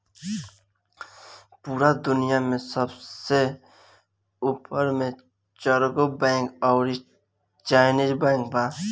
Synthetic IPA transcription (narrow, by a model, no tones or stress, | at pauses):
puːɾad̪ʊnijamẽsəbse | upəɾmẽ | t͡ʃəɾɡobɛ̃ːŋkɔːɾi | t͡ʃaːɪnid͡ʒbɛ̃ːŋk̚baː